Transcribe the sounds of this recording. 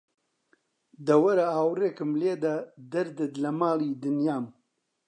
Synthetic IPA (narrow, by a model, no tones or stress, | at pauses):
d̪ɐwɐɾahaːwreːkɨmleːd̪ad̪ɐɾd̪ɨd̪lɐmaːlid̪ɨnjaːm